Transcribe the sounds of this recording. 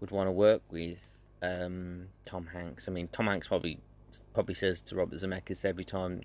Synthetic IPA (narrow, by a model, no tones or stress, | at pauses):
wəd̚wɒ̃ntəwɜˑkwɪð̥ | ʌ̃mtʰɒ̃mhãŋksaɪmĩntʰɒ̃mhãŋkspʰɹ̥ɒbəbli | pʰɹ̥ɒbəblisɛz̥tʰəɹɒbəszəmɛkəz̥sɛvɹitʰãɪ̃m